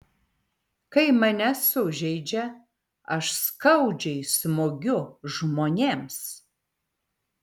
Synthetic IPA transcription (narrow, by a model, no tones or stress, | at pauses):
kɐɪmɐnʲɛsʊʒʲɛɪd͡ʒʲɛ | ɐʃskɐʊd͡ʒʲɛɪsmoːɡʲʊʒmoːnʲeːms